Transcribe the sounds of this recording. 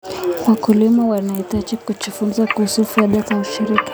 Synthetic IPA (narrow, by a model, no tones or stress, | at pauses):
wakulimawanaitat͡ʃikut͡ʃufumzakuhusufiaɗazauʃiɾiki̥